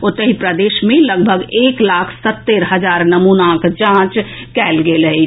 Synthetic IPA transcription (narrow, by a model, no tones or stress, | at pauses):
ot̪əɦipɾəd̪eʃmẽləɡbʱəɡeːklaːkʰsət̪ːeɾɦəd͡ʒaːɾnəmunakd͡ʒãːt͡ʃ | kɛːlɡelɦɛ